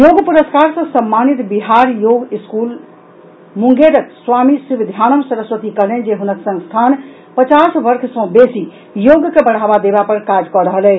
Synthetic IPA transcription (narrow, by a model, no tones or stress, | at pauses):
joɡpuɾəskaɾsə̃səmːanit̪biɦaɾjoɡiskul | muŋɡeɾəkswamisubid̪ʱjanəmsəɾəsʋət̪ikəlend͡ʒeɦunəksə̃ŋst̪ʰan | pət͡ʃasbəɾkʰsə̃besi | joɡkebəɽ̤abad̪ebapəɾkad͡ʒkɔɾəɦəlɛ